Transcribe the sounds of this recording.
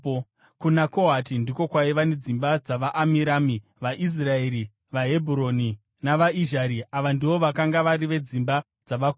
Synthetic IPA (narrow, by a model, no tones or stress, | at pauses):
kunako̞ɦatindiko̞kwaiʋane̞d͡zimbad͡zaʋaʔamiɾaːmi | ʋaʔis̬rae̞ɾi | ʋaɦe̞bʱuɾo̞ni | naʋaiʒaɾiaʋandiʋo̞ʋakaŋɡaʋaɾiʋe̞d͡zimba | d͡zaʋak